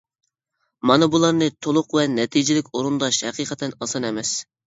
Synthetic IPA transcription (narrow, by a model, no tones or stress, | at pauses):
mɑnɨbulˠɑɾnɨt̪ʰolˠʊqvɛnɛt̪ʰid͡ʒɪlɪkʲoɾund̪ɑʃhɛqiːqʰət̪ʰɛnɑsɑnɛmɛs